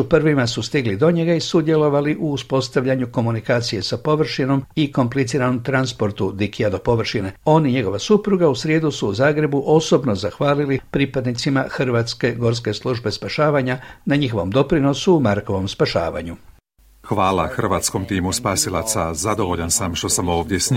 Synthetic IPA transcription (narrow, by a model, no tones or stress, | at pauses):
upr̩ʋimasust̪iɡlid̪o̞ɲe̞ɡaisud̪je̞lo̞ʋaliʔuːspo̞st̪aʋʎaɲuko̞munikaːt̪sije̞sapo̞ʋr̩ʃino̞miko̞mplit̪siːɾano̞mt̪ɾanspo̞ɾt̪ud̪ikiad̪o̞po̞ʋr̩ʃine̞o̞niɲe̞ɡo̞ʋasupɾuɡausɾje̞ːd̪usuːzaːɡɾe̞buʔo̞so̞bno̞zaxʋaːlilipɾiːpad̪nit̪simaxr̩ʋaːt̪ske̞ɡo̞ɾs̬ke̞slˠuʒbe̞spaʃaːʋaɲanaɲixo̞ʋo̞md̪o̞pɾino̞suːmaɾko̞ʋo̞mspaʃa̰ːʋa̰ɲu | xʋaːla̰xr̩ʋaːt̪t͡skɔmt̪iːmuspaːsilasazad̪ɔʋɔʎansamʃt̪osamɔʋd̪ɪɛsɲ